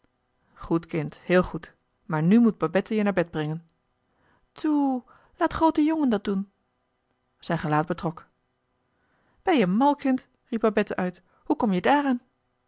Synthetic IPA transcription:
χutkɪnthɪːlˠχut | maːɹnymut̚babɛtəjənaːɹbɛd̚brɪŋən | tʰu | laːtχrowtəjʊŋəndɑt̚dun | z̥ɛjnχəlaːd̚bətrɔk | b̥ɛjəəmɑlˠkɪnt | rip̚babɛtəʔœɥt | hukɔmjədaːraːn

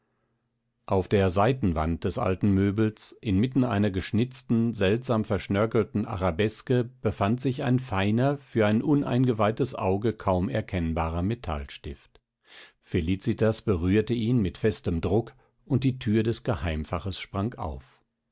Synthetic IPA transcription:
ʔaʊfd̥eːɐzaɪtn̩va̰nt̚d̥ɛsʔa̰ltn̩møːbl̩sʔɪnmɪtn̩ʔa̰ɪnɐɡəʃnɪt͡stn̩zɛltz̥aːmfɛɐʃnœkl̩tn̩ʔa̰ʁabɛskəb̥əfantz̥ɪça̰ɪnfaɪnɐfyːɐaɪnʔʊnʔa̰ɪnɡəvaɪtəsʔa̰ʊɡəkʰaʊmɛ̰ɐkʰɛnbaːʁɐmetʰa̰lʃtɪft | feliːt͡sitasb̥əʁyːɐtəʔiːnmɪtfɛstəmdʁʊk | ʊnt̚d̥iːtʰyːɐdɛsɡ̥əhaɪmfaχəsʃpʁ̥aŋkʔa̰ʊf

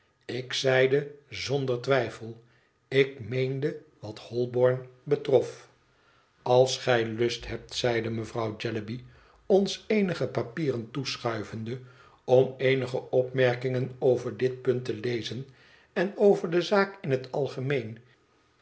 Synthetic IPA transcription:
ɪksɛjdəzɔndərɹtʋɛjfəlˠ | ɪk̚mejndəʋɑthɔlˠbɔɹnbətrɔf | ɑlˠsχɛjlɵstɦɛp̚tsɛjdəməvrɑwd͡ʒɛləbi | ɔnsejnəχəpapiːrəntusχœɥvəndə | ɔmejnəχəɔpmɛɹkɪŋənowvəɹdɪt̚pɵntəlejzən | ɛnowvəɹdəzaːkɪnɦətɑlˠχəmejn

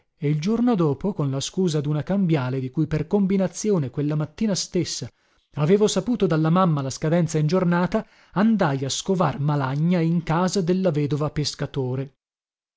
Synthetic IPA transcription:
eild͡ʒornod̪oːpokonlaskuːzad̪unakambjaːled̪ikujperkombinat̪sːjoːnekwelːamat̪ːiːnast̪esːa | aveːvosapuːt̪od̪alːamamːalaskad̪ɛnt̪saind͡ʒornaːt̪a | and̪ajaskovarmalaɲːaiŋkaːzad̪elːavɛːd̪ovapeskat̪oːɾe

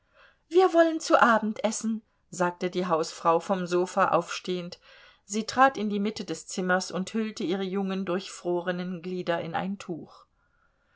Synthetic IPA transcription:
viːɐvɔlənt͡suʔaːbm̩tʔɛsn̩ | zaːk̚tədiːɦaʊsfʁ̥aʊfɔmzoːfaʔa̰ʊfʃteːənt | z̥iːtʁ̥aːtɪndiːmɪtədɛst͡sɪmɐsʊnthʏltəʔiːʁ̞əjʊŋəndʊɐçfʁ̥oːʁənənɡliːdɐʔɪnʔa̰ɪntʰuːx

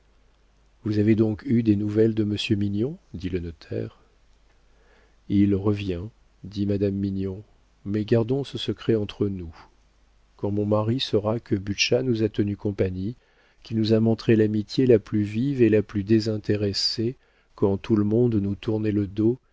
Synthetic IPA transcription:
vuzaved̪ɔ̃kyd̪enuvɛld̪əməsjøminjɔ̃d̪ilənɔt̪ʰɛ̰ʁ | ilʁəvjɛ̃ | d̪imad̪amːiɲjɔ̃ | mɛɡaʁd̪ɔ̃səsəkχɛɑ̃t̪χənu | kɑ̃mɔ̃maʁisəʁakəbyʃanuzat̪ənykɔ̃paɲi | kʲinuzamɔ̃t̪χelamit̪jelaplyvivelaplyd̪ezɛ̃t̪eʁɛse | kɑ̃t̪uləmɔ̃d̪nut̪uʁnɛləd̪o

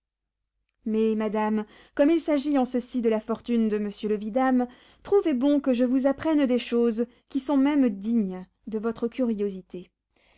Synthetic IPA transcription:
mɛmad̪am | kɔmilsaʒiɑ̃səsid̪əlafɔʁt̪ynd̪əməsjøləvid̪am | t̪χuvebɔ̃kəʒəvuzapχɛnd̪eʃoz | kʲisɔ̃mɛmd̪iɲ | d̪əvɔt̪χəkʲyʁijozit̪e

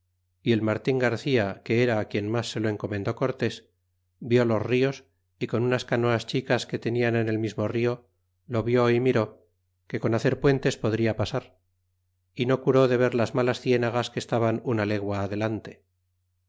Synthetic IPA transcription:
ie̞lmaɾt̪iŋɡaɾθiake̞eɾaːkje̞nmasːe̞lo̞e̞ŋko̞mẽ̞nd̪o̞ko̞ɾt̪e̞s | bjo̞lo̞zrio̞s | iko̞nunaskano̞ast͡ʃikaske̞t̪e̞niane̞ne̞lmizmo̞rio̞ | lo̞βjo̞imiɾo̞ | ke̞ko̞naθe̞ɾpwe̞nt̪e̞spo̞ðɾiapasaɾ | ino̞kuɾo̞ðe̞β̞e̞ɾlazmalasθje̞naɣaske̞st̪aβanunale̞ɣwaːðe̞lant̪e̞

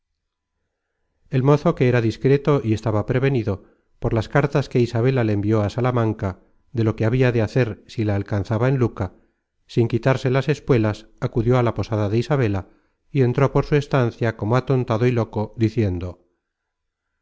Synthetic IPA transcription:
e̞lmo̞θo̞ke̞eɾaðiskɾe̞t̪o̞ie̞st̪aβapɾe̞β̞e̞niðo̞ | po̞ɾlaskaɾt̪aske̞isaβe̞lale̞ːmbio̞asalamãŋka | ðe̞lo̞ke̞aβiaðe̞aθe̞ɾsilaːlkanθaβae̞nluka | siŋkit̪aɾse̞lase̞skwe̞las | akuðjo̞alapo̞saðaðe̞isaβ̞e̞la | ie̞nt̪ɾo̞po̞ɾsue̞st̪an̟θjako̞moat̪o̞nt̪aðoilo̞ko̞ðiθje̞nd̪o̞

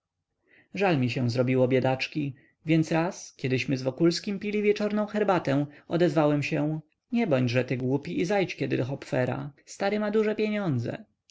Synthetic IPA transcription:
ʐalmʲiɕɛw̃zɾɔbʲiwɔbʲjɛd̪at͡ʂkʲi | vʲjɛnt̪sɾaskʲjɛd̪ɘɕmɘzvɔkulskʲimpʲilʲivʲjɛt͡ʂɔɾnɔ̃w̃xɛɾbat̪ɛw̃ɔd̪ɛzvawɛmɕɛ̃ | ɲɛbɔɲd͡ʑʐɛt̪ɘɡwupʲiizajt͡ɕkʲɛd̪ɘd̪ɔxɔpfɛɾa̰st̪aɾɘmad̪uʐɛpʲjeɲɔnd̪zɛ̰

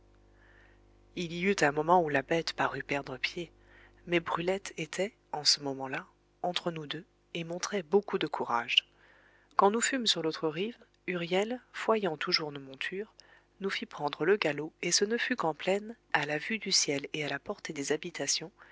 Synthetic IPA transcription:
ilijyt̪ɛ̃mɔmɑ̃ulabɛt̪paʁypɛʁd̪ʁəpje | mɛbʁylɛt̪ʰet̪ʰɛ | ɑ̃səmɔmɑ̃la | ɑ̃t̪χənud̪ø | emɔ̃t̪χɛbokud̪əkʰuʁaʒ | kɑ̃nufymsyʁlot̪χəʁiv | yʁjɛlfwajɑ̃t̪uʒuʁnomɔ̃t̪ʰyːʁ | nufipχɑ̃d̪ʁələɡaloesənəfykɑ̃plɛn | alavyd̪ysjɛlealapɔʁt̪ed̪ezabit̪asjɔ̃

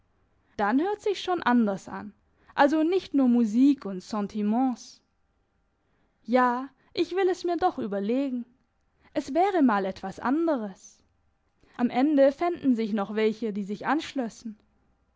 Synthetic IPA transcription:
d̥anhøːɐtz̥ɪçʃoːnʔandɐsʔa̰n | ʔalzonɪçtnuːɐmuziːkʰʊntsɑ̃tʰimɑ̃ːs | jaː | ʔɪçv̥ɪlɛsmiːɐdɔχʔyːbɐleːɡŋ̩ | ʔɛsv̥ɛːʁəmaːlɛtv̥asʔa̰ndəʁ̞əs | ʔamʔɛndəfɪndn̩zɪçnɔχv̥ɛlçədiːzɪçʔanʃlɔsn̩

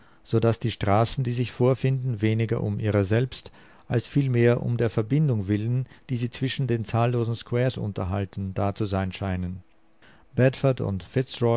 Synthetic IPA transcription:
z̥oːdasd̥iːʃtʁ̥aːsn̩d̥iːzɪçfoːɐfɪndn̩veːnɪɡɐ̰ʔʊ̰mʔiːʁɐzɛlpst | ʔalsfiːlmeːɐʔʊ̰mdeːɐfɛɐbɪndʊŋvɪlənd̥iːziːt͡sv̥ɪʃn̩deːnt͡saːlːoːzn̩skwɛːɐsʔʊ̰ntɐɦaltn̩daːt͡suzaɪnʃaɪnən | b̥ɛtfədʊ̰ntfɪtsʁɔ

